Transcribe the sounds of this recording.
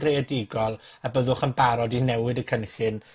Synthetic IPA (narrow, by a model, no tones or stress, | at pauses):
ɡreɛdɪɡɔlˠabəðʊχənbaɾɔdinɛwɨdəkʰənɬɨn